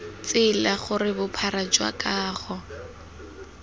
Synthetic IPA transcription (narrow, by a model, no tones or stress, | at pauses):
t͡sɪlaχʊrɪbʊpʰaɾad͡ʒwa̰kʼaːχɔ